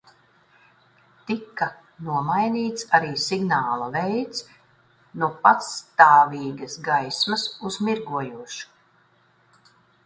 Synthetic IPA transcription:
t̪ikːa | nuɔmajniːt̪saɾiːsiɡnaːlˠavɛjt̪s | nuɔpat̪st̪aːviːɡɐsɡajsmɐsuzmiɾɡuɔjuɔʃu̥

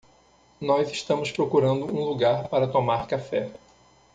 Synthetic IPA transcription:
nɔziʃt̪ɐ̃mʊspɾokuɾɐ̃nd̪ʊũluɡaɾpaɾɐt̪omaɾkafɛ

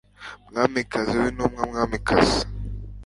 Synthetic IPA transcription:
mŋamikazewinomŋamamikʰas

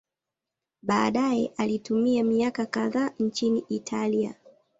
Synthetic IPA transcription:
ɓaːɗajɛʔalitumiamiakakaðaːn̩t͡ʃiniʔitʰalia̰

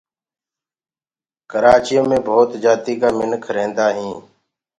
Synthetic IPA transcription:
kəɾaːt͡ʃɪjõːmẽːbʱoːt̪d͡ʒaːt̪iːkaːmɪnkʰəɾẽːnd̪aːɦĩː

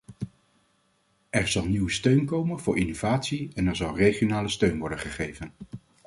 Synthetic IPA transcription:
ɛɹzɑlˠniwəstøɥnkowmənvʊːɹʔinovaːtsiɛnɛɹzɑlˠrejχjonaːləstøɥnʋɔɹdəχəχejvən

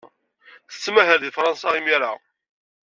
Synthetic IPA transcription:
θə̥t͡sːmæɦəɾðifɾˤɑnsɑimjaɾa̰

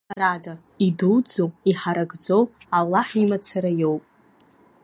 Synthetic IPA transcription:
rada | idud͡zowiħaɾaɡd͡zo̞walːaħimat͡sʰaɾajo̞wpʼ

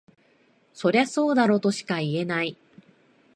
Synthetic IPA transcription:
so̞ɾeaso̞ːd̪aɾo̞ːt̪o̞ɕi̥kaie̞nai

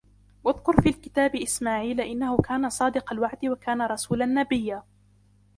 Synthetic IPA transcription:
waðkʊɾfiːlkɪt̪aːbɪʔɪsmaːʕiːlʔɪnːahʊkaːnasˤɑːd̪ɪqɑlwaʕd̪wakaːnaɾˤɑsuːlanːabɪjːaː

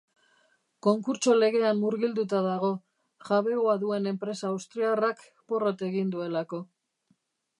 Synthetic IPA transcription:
ko̞ŋkuɾt͡ʃo̞le̞ɣe̞amːuɾɣild̪ut̪aðaɣ̞o̞ | ʝaβe̞oaðue̞ne̞mpɾe̞saːwst̪ɾiarak | po̞ro̞t̪e̞ɣind̪ue̞lako̞

